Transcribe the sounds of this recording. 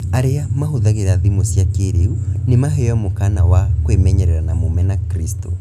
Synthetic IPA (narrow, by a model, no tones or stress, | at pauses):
aɾeamaɦoðaɣeɾaðimosjakeɾeunemaɦɛɔmokanawakwemɛɲɛɾɛɾanamomɛnakɾistɔ